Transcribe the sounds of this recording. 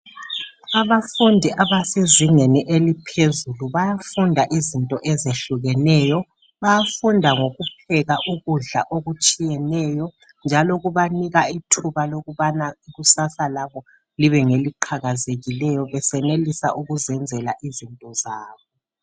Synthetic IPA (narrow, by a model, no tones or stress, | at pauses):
aβafundʱiʔaβaseziŋeniʔelipʰezuluβajafundʱaʔizintʼɔʔɛzeɬuɣɛnɛːjɔ | βajafundʱaŋoɣup̚ʰɛɣaʔuɣuɮa̰ʔoɣut͡ʃʼijɛnɛjɔ | nd͡ʒʱaloɣuβaniɣaitʰuβaloɣuβanaiɣusasalaβɔ | liβɛŋeliǃʰaɣazeɣilɛjɔβɛsɛnelisa̰ʔuɣuzɛnd͡zʱɛlaʔizintʼɔzaːβɔ